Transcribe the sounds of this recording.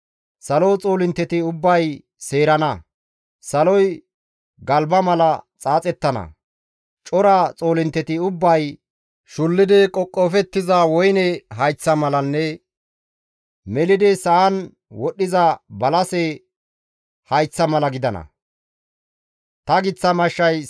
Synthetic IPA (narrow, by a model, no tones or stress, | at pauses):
sɐlot͡sʼoːlɪnt̪ːɛt̪ɪʊbːɐj | seːɾɐnɐ | sɐlɔj | ɡɐlbɐmɐlɐt͡sʼaːt͡sʼɛt̪ːɐnɐ̰ | t͡ʃʼɔɾat͡sʼo̞ːlɪnt̪ːɛt̪ɪʊbːɐj | ʃʊlːɪd̪ɪkʼɔkʼːɔfɛt̪ːɪzɐwɔjnɛɦɐjt͡sːɐmɐlɐnːɛ | mɛlɪd̪ɪsɐʔɐn | wɔɗːɪzɐbɐlɐsɛ | hɐjt͡sːɐmɐlɐɡɪd̪ɐnɐ̰ | t̪ɐɡɪt͡sːɐmɐʃːɐj